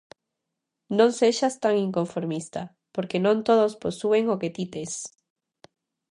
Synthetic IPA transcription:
nõŋseʃast̪aŋiŋkoɱfoɾmist̪a | poɾkenõnt̪oðosposueŋoket̪it̪es

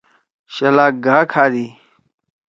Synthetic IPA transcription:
ɕɐlaːk̚ɡaːkʰaːdiː

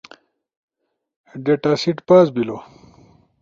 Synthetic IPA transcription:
ɖeʈasiʈpaːzbilo

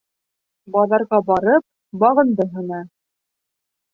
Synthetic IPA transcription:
bɑðɑɾʁɑbɑɾɤp̚ | bɑʁɤ̆nd̪ɤɦɤ̆nɑ

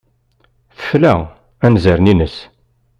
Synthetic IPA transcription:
θə̥flæ̰ | ænzəɾninəs

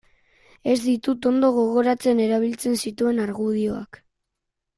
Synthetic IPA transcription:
e̞zd̪it̪ut̪o̞nd̪o̞ɣ̞o̞ɣo̞ɾat͡se̞ne̞ɾaβ̞ilt͡se̞nsit̪ue̞naɾɣuð̞io̞a̰k

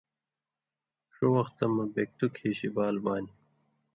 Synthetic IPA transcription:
ʂowɐxt̪ɐmɐbek̚t̪ukʰeːɕibaːlbaːni

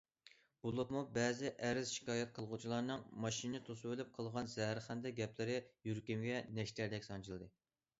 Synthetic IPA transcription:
b̥olˠɨpmubɛːzɪʔɛɾɪz̥ʃi̥kʲɑːjɛt̪̚qʰəlˠʁut͡ʃʰilˠɑːnɨŋmɑʃinɨt̪ʰosɨwølɪp̚qʰəlˠʁɑnzɛɦæɾχænd̪ɛɡʲɛplɪɾɪjyɾkʲimɡʲɛnɛʃt̪ʰæɾd̪ɛkʲsɑnt͡ʃʰilˠd̪ɨ

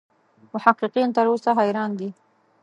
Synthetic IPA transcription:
mʊħaqiqint̪əɾosaɦajɾɑnd̪i

